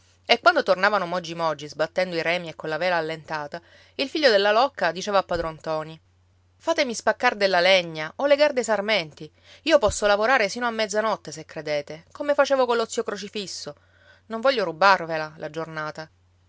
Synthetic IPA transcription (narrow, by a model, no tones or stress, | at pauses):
ekːwand̪ot̪ornaːvanomɔd͡ʒːimɔd͡ʒːizbat̪ːɛnd̪oiɾɛːmiekːonlavɛːlaːlːent̪aːt̪a | ilfiʎːod̪elːalɔkːad̪it͡ʃeːvaːpːad̪ɾont̪ɔːni | faːt̪emispakːard̪elːaleɲːaoleɡard̪esarmɛnt̪i | iːopɔsːolavoɾaːɾesiːnoamːɛd̪zːanɔt̪ːesekːɾed̪eːt̪ekomefat͡ʃeːvokolːot̪siokɾot͡ʃifisːo | noɱvɔʎːoɾubarvelalʔad͡ʒornaːt̪a